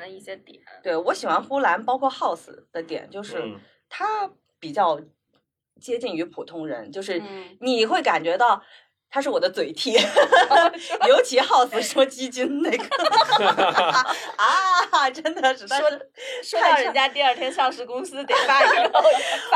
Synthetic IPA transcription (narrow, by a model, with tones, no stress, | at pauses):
i˥˩ɕjɛ˥t̪we˥˩ɪwɔ˧˥ɕi˨˩xwa˧˥nxu˥la˧˥npɑ˥ʊkʰwɔ˥˧xɑ˥˩ʊsɹ̩̰˨˩d̪̥ə˦t̪jɛ̰˨˩˦nt͡ɕjo˥˧ʊʂɻ̩˥˩ | t̪ʰa˥ | pi˨˩t͡ɕjɑ˥˩ʊ | t͡ɕjɛ˥t͡ɕi˥˩ŋy˧˥pʰu˨˩t̪ʰʊ˥ŋɻə̰˧˥nt͡ɕjo˥˧ʊʂɻ̩˥˩ni˨˩˨xwe˥˩ɪka˨˩nt͡ɕɥɛ˧˥t̪ɑ˥˩ʊ | t̪ʰa˥ʂ̬ɻ̩˥˩wɔ˨˩ə˦t͡swe˨˩ɪt̪ʰi˥˩ | jo˧˥ʊt͡ɕʰi˧˥xɑ˥˩ʊsɹ̩˨˩ʂə˧˥mə˧t͡ɕi˥t͡ɕi˥nne˥˩ɪɡə˩ | a˧˩ʈ͡ʂə˥nd̪ə˨ʂɻ̩˧˩t̪ʰa˥ʂwɔ˥ | ʂ̩˥ɑ˥˩ɻə˧˥˧nt͡ɕja˥t̪i˥˧ɐ˞˥˩t̪ʰjɛ˥nʂɑ˥˧ŋʂɻ̩˥˩kʊ˥ŋsɹ̩˥t̪i˨˩pa˥˧